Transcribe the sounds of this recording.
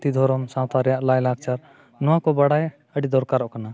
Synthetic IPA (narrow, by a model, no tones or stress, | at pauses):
t̪id̪ʱɔɾɔmsãt̪aɾjaʔlajlaɡ̚t͡ʃʰaɾ | nuwãkɔbəɽaj | əɽid̪ɔɾkaɾɔʔkəna